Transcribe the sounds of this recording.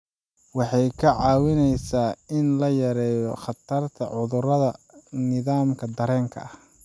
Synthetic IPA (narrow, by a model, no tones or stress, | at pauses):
wɑħɑjkʰɐʕɑːwɪnɛjsaːɪnlɐjɐɾɛːjɔχɑt̪ʰɐrt̪ʰɐ̰ʕʊðʊrɐðɐ | nɪðaːmkʰɐd̪ɐɾɛːŋkʰɐ̰ʔɐh